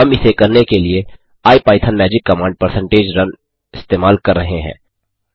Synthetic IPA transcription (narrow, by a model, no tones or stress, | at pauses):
ɦɐmɪsekɐɾnekelie | aːipaːɪt̪ʰənmɛːd͡ʒɪkːɐmãːɳɖ̚pɐɾsə̃ɳʈeːd͡ʒɾɐn | ɪst̪eːmaːlkɐɾːɐɦeɦɛ̰̃ː